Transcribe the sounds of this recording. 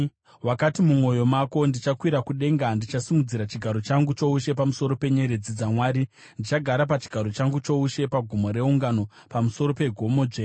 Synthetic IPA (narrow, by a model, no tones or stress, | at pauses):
wakatimumo̞jo̞mako̞ndit͡ʃakwiɾakuɗe̞ŋɡandit͡ʃasimud͡ziɾat͡ʃiɡʱaɾo̞t͡ʃaŋɡut͡ʃo̞uʃe̞pamuso̞ɾo̞pe̞ɲe̞ɾe̞d͡zid͡zamwaːɾi | ndit͡ʃaɡʱaɾapat͡ʃi̥ɡʱaɾo̞t͡ʃaŋɡut͡ʃo̞uʃe̞paɡʱumo̞ɾe̞uŋɡano̞ | pamuso̞ɾo̞pe̞ɡʱo̞mo̞d͡ʒe